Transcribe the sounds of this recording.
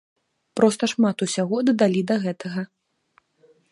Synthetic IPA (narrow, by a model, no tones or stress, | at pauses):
pɾɔst̪ɐʂmat̪usʲaɣɔd̪ɐd̪alʲid̪ɐɣɛt̪ʰɐɣɐ